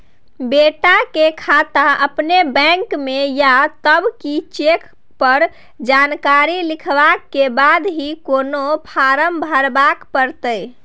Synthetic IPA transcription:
beʈakekʰat̪aəpnebɛ̃ŋkmejat̪əbkit͡ʃek | pəɾ | d͡ʒankaɾilikʰbakːebad̪ɦikonopʰaɾəmbʱəɾbakpəɾt̪əj

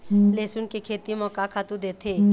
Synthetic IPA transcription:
leːsʊnkekʰeːt̪imɔːkakʰaːt̪ud̪eːt̪ʰe

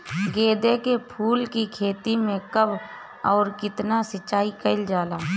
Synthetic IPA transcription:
ɡeːd̪ekepʰuːlkikʰeːt̪imẽkəb | ɔːɾkɪt̪nasət͡ʃːaːikəɪld͡ʒaːlaː

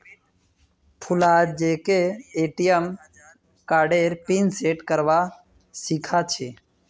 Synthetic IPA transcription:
pʰʊlaːd͡ʒeːkeeːʈijəm | kaːɖeːɾpiːnseːʈkəɾʋa | sikʰaːt͡ʃʰeː

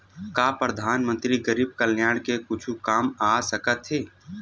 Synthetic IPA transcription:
kaːpɾəd̪ʱaːnmə̃nt̪ɾiɡəɾiːb̚kɐljaːɽ̃kekʊt͡ʃʰukaːmaːsɐkət̪ɦeː

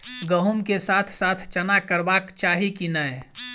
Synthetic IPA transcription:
ɡəɦumkesat̪ʰsat̪ʰt͡ʃənakəɾbakt͡ʃaɦikinəe

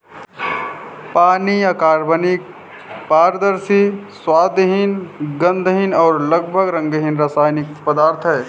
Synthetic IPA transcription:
paːniəkaːɾbənik̚ | paːɾd̪əɾsiswaːd̪ɦinɡə̃nd̪ʱɦinɔːɾləɡbʱəɡɾə̃ŋɡɦinɾaːsaːjnik̚pəd̪aːɾt̪ʰɦɛː

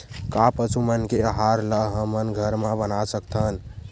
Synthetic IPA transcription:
kapət͡ʃumənkeəɦaɾləɦəmənɡʱəɾmãbənasəkt̪ʰən

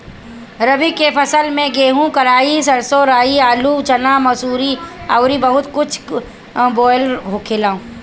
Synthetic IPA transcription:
ɾɐbikepʰɐsəlmẽɡeːɦũkɐɾaːisɐɾsoɾaːiaːluːt͡ʃɐnaːmɐsuːɾiaʊɾibɐɦʊt̪kʊt͡ʃʰ | bɔːjlɦokʰeːlaːũ

